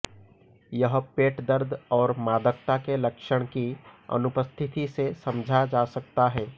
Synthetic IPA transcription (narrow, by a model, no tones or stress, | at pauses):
jəɦpeːʈd̪əɾd̪ʱɔːɾmaːd̪əkt̪akelɐkʃəɽ̃kiɐ̰nʊpəst̪ʰɪt̪isesɐmd͡ʒʱad͡ʒaːsɐk̚t̪aɦɛː